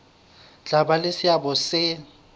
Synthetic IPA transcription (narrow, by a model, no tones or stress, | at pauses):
t͡ɬabalɪsɪjabɔsɪ